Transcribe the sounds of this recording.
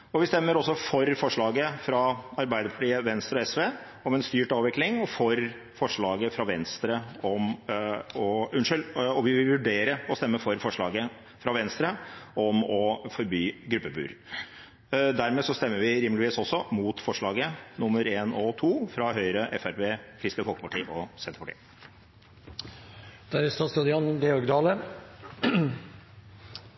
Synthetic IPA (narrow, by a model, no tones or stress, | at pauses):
ɔʋɪst̪ɛmːəɾɔsːɔfɔɾfɔʂɭɑːɡəfɾɑɑɾbæɪd̪əpʰɑʈiːəʋɛnst̪ɾəɔɛsʋeː | ɔmɛnst̪yːʈɑːʋɪklɪŋɔfɔɾ | fɔʂɭɑːɡəfɾɑʋɛnst̪ɾəɔm | ɔʉnʂɪlɔʋɪʋɪlʋʉɖeːɾəɔst̪ɛmːəfɔɾfɔʂɭɑ̰ːɡə | fɾɑʋɛnst̪ɾəɔmɔfɔɾbyːɡɾʉpːəbʉ̰ːɾ | d̪æɾmeːsɔst̪ɛmːəʋɪɾɪməlɪʋiːsɔsːɔmut̪fɔʂɭɑːɡənʊmːəɾeːnɔt̪ʰuːfɾɑɦœʏɾəʔɛfæɾpeːkʰɾɪst̪əfɔlkəpɑʈʰiːʔɔsɛnt̪əɾpɑʈḭː | d̪̥æɾɪst̪ɑst̪ud̪əɑnɡeɔɾɡd̪ɑːlə